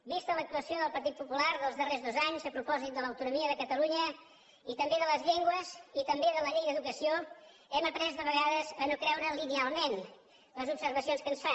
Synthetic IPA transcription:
bist̪ələk̚t̪uəsioðəlˠpəɾt̪it̪̚pupulaɾðəlˠzðərezðozaɲzəpɾupɔzit̪̚d̪ələwt̪unumiəðəkət̪əluɲə | it̪əmbeðələzʎeŋɡwəzit̪əmbeðələʎejðəðukəsio | ɛməpɾɛzd̪əβəɣaðəzənokɾɛwɾəlinialˠmen | ləzubsəɾβəsionskənsfa

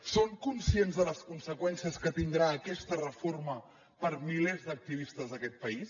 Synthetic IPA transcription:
soŋkunsienzðələskunsəkwɛnsiəskət̪ind̪ɾaːkɛst̪ərəformə | pəɾmilezd̪ək̚t̪iβist̪əzðəkɛt̪̚pəis

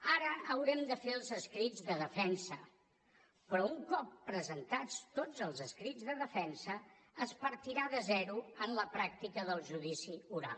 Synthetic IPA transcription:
aɾəʔəwɾɛmd̪əfeəlˠzəskɾid͡zðəðəfɛnsə | pɾɔuŋkɔpːɾəzənt̪at͡st̪od͡zəlˠzəskɾid͡zðəðəfɛnsəː | spəɾt̪iɾaðəzɛɾuənləpɾak̚t̪ikəðəlˠʒuðisiuɾa̰lˠ

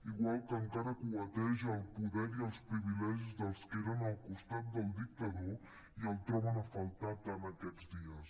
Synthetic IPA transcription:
iɣwalˠkəŋkaɾəkuət̪ɛʒːlˠpuðɛɾiəlˠspɾiβilɛʒizðəlˠskeɾənəlˠkust̪at̪̚d̪əlˠd̪ik̚t̪əðo | iəlˠt̪ɾɔβənəfəlˠt̪at̪ːanəkɛd̪d͡zd̪iəs

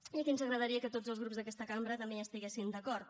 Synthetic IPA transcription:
əkinzəɣɾəðəɾiəkət̪od͡zəlˠzɣɾupzðəkɛst̪əkambɾət̪əmbeəst̪iɣesind̪əkɔɾt̪̚

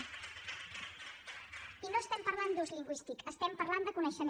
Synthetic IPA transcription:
inoəst̪ɛmpəɾland̪uzliŋɡwist̪ikəst̪ɛmpəɾland̪əkunɛʃəm

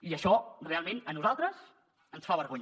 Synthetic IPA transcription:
iəʃɔrealˠmẽnənuzalˠt̪ɾəz | ənsfaβəɾɣoɲ

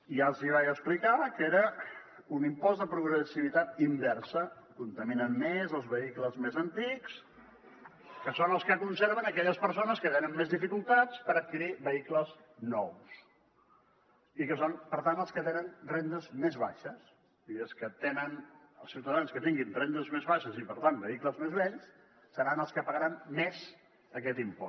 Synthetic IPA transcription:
ialˠziβajəksplikakeɾə | unimpɔz̬ðəpɾuɣɾəsiβ̞it̪at̪̚imbɛrsəkunt̪əminənmezəlˠzβəikləzmezənt̪iks | kəsonəlˠskəkunseɾβənəkɛʎəspəɾs̬onəskət̪enənmezðifikulˠt̪at͡spəɾət̪̚kiɾiβəikləz | nɔws | ikəsonpəɾt̪anəlˠskət̪enənrend̪əzmezβa̰ʃəs | iəlˠskət̪enənəlˠsiwt̪əðanskət̪iŋɡinrend̪əzmezβaʃəzipəɾt̪anbəikləzmezβɛʎs | səɾanəlˠskəpəɣəɾanmez | əkɛt̪impɔ̰

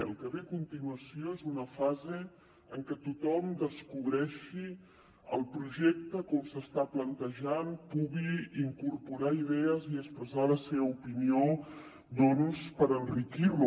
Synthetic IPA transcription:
ə̰lˠkəβeəkunt̪inuəsioezunəfaze | əŋkɛt̪ut̪ɔmd̪əskuβɾɛʃi | ə̰lˠpɾuʒɛk̚t̪əkɔmsəst̪aplənt̪əʒanpuɣiiŋkurpuɾaiðɛəziəkspɾəzaləseβəupinio | d̪ɔnspəɾənrikirlu

